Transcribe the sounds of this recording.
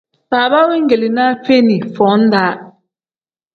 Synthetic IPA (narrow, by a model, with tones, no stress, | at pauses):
sa˨βa˦we˦ŋ˦ɡe˨li˨na˦fe˦ni˨fɔ˨˦n̩˦da˦